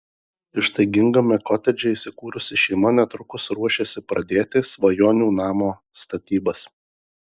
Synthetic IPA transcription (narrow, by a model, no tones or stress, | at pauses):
ɪʃst̪ɐɪɡʲɪŋɡɐmʲɛkɔːt̪ʲɛd͡ʒʲɛiːsʲɪkuːɾʊsʲɪʃʲɛɪmɐnʲɛt̪ɾʊkʊsɾuɔʃʲeːsʲɪpɾɐd̪ʲeːt̪ʲɪsʋɐjoːnʲuːnɑːmoː | st̪ɐt̪ʲiːbɐs